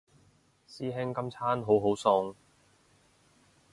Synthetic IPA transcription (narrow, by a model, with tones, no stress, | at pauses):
siː˥ɦɪ˥ŋkɐ˥mt͡sʰaː˥nɦo˨˥wɦo˨˥wsɔ˧ŋ